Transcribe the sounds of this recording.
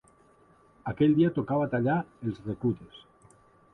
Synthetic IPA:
akelʲd̪iat̪okaβat̪aʎaelzrekut̪es

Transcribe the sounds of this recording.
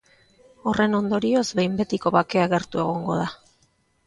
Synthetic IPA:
o̞re̞no̞nd̪o̞ɾio̞zbejmbe̞t̪iko̞βake̞aɣe̞ɾt̪ue̞ɣ̞o̞ŋɡo̞̰ða

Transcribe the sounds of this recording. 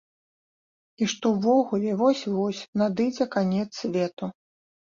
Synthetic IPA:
iʂt̪ɔwvɔɣulʲɛvɔsʲvɔsʲnad̪ɨd͡zʲɛkanʲɛt̪sʲvʲɛt̪u

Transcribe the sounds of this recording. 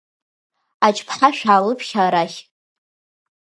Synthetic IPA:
at͡ʃʼpʰħaʃᶣaːlɨpʰʃʲaɾaχʲ

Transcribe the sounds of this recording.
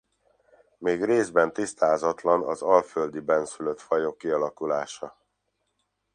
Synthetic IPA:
meːɡreːzbɛnt̪ist̪aːzɒt̪lɒnɒzɒlføld̪ibɛnsyløt̪fɒjo̞kːiɒlɒkulaːʃɒ

